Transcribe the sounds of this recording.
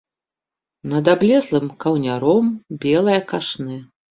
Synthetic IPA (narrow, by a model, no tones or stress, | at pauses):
nɐd̪ablʲɛzlˠɨmkɐwnʲaɾɔmbʲɛlˠɐjɐkaʂnɨ